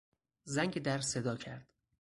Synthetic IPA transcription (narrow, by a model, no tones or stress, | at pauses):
zæŋɟed̪æɾsed̪ɒːcʰæɾd̪̥